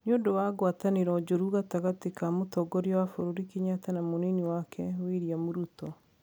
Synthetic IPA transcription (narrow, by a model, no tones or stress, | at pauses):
noːndowaɡwataneɾɔd͡ʒoɾuɣataɣatekamotɔɡɔɾiɔwafoɾoɾikeɲatanamoneniwakʰɛwiɾjamoɾutɔ